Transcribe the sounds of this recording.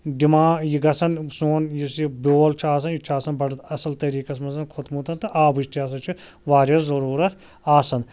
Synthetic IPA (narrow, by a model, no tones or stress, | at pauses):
ɖimaːjiɡɐsɐnsoːnjisibʲoːlt͡ʃʰiaːs̬ɐnjit͡ʃʰaːsɐnbɐɖt̪ʰɐsɐlt̪ɐɾiːkɐsmɐzɐnkʰot̪mut̪ɐnt̪ɐʔaːbiʃt̪ʰiaːs̬ɐt͡ʃʰi | ʋaːɾʲɐszɐɾuːɾɐt̪ʰ | aːsɐn